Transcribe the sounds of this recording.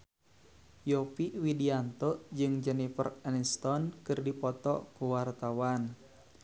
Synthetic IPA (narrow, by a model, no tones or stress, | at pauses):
jɔpiwidiant̪ɔd͡ʒɨŋd͡ʒɛnifə̰rɛnst̪ɔnkɨrdipɔt̪ɔ̰kuwart̪awan